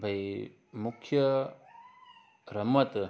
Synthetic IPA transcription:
bʱɐj | mukʰːjɐ | ɾɐmɐt̪

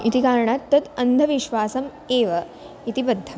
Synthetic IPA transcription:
it̪ikaːɾɳat̪ːɐt̪ɐnd̪ʱɐʋiʃʋaːsɐm | eːʋɐ | it̪ibɐd̪ʱːɐ

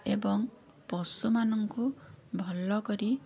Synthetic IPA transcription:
ebɔŋ | pɔsumanɔŋkubʱɔlɔkɔɾi

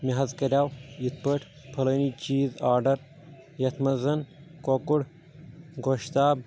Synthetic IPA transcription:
miɦɐzkɐɾʲaːwjit̪̚ʰpəʈʰ | pʰɐlɐːniːt͡ʃiːzaːɾɖɐɾ | jɐt̪ʰmɐzɐn | kokuɽ | ɡoʃt̪aːb̚

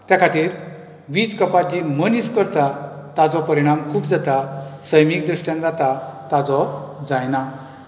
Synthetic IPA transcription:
t̪jakʰat̪iːɾ | ʋiːt͡skəpad͡ʑiməniskəɾt̪at̪ad͡zɔpəɾiɽ̃amkʰuːpd͡zat̪asəjmik̚d̪ɾuʂʈjãnd͡zat̪at̪ad͡zɔd͡zajna

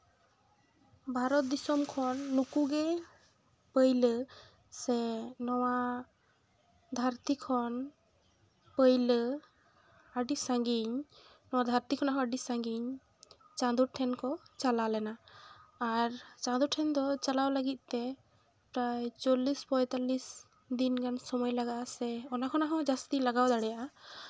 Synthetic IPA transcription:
bʱaɾɔt̪̚d̪isɔmkʰɔnːukuɡɛ | pəjlə | sɛnɔwa | d̪ʱaɾt̪ikʰɔn | pəjlə | əɖisãŋɡiɲ | nɔwad̪ʱaɾt̪ikʰɔnaɦɔ̃əɖisãŋɡiɲ | t͡ʃãd̪uɾʈʰɛnkɔt͡ʃalalɛnaː | ɾt͡ʃãd̪uɾʈʰɛnd̪ɔt͡ʃalawləɡit̪̚t̪ɛ | pɾajt͡ʃolispɔjt̪alis | d̪inkansɔmɔjlaɡaʔasɛɔnakʰɔnaɦɔ̃d͡ʒast̪ilaɡawd̪aɽɛjaʔa

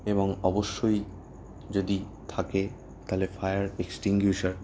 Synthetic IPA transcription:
eβoŋɔboʃːoj | d͡ʑod̪it̪ʰake | t̪alefajaɾeksʈiŋɡjuʃaɾ

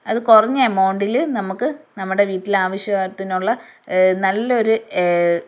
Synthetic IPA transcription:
ɐðɨkurɐɲːɐmɐːɳɖilɨnɐmukːɨnɐmːuɽe̞ʋiːʈːilaːʋɐɕjɐaːt̪ːinuɭːɐnɐlːɐo̞ɾu

